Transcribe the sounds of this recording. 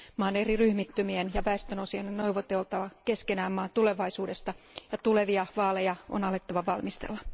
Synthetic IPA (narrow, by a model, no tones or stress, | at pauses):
mɑːneriryhmit̪ːymienjɑʋæest̪ønosiɑnːennoiʋot̪elt̪ɑʋɑkeskenæːmːɑːnt̪ule̞ʋɑisuːde̞st̪ɑ | jɑt̪uleʋiɑʋɑːlejɑo̰nɑlet̪ːɑʋɑʋɑlmist̪ḛlːɑ